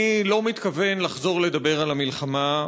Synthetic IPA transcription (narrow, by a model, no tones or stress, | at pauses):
lo̞mit̪kave̞nlaχzo̞ʁle̞d̪abe̞ʁalamilχama